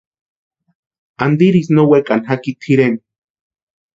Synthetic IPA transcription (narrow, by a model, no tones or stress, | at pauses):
and̪iɾisnowekʼanɦakit̪ʰhiɾen